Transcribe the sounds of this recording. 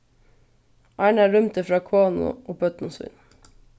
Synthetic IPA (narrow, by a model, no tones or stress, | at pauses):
ʔɑɪɳæːɾœmt̪əfɾɑːkʰʋɑːnʊ̰ʔoːpʰœt̪nʊsʋɪ̰n